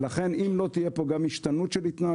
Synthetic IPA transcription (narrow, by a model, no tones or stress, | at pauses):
laχe̞nimlo̞t̪ije̞po̞ɡamiʃt̪anut̪ʃelhit̪naː